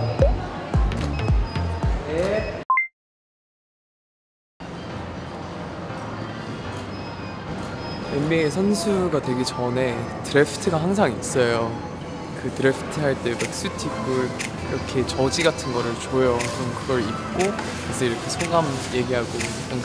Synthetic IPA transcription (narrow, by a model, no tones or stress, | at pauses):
e | emːesʰʌnsʰuɡatwe̞ɡet͡ɕʌne̞tɯɾe̞pʰɯ̥tʰɯɡaɦaŋs̬ʰaŋis͈ʌjo | kɯtɯɾe̞pʰɯ̥tʰɯɦaɭt͈e̞bak̚s͈utʰibʰɯɭ | iɾʌkʰe̞t͡ɕʌd͡ʑiɡatʰɯnɡʌɾɯɭt͡ɕojʌt͡ɕomkɯɡʌɾip̚k͈o | kʰasʰɯiɾʌkʰe̞sʰoɡamje̞ɡiɦaɡo | aŋ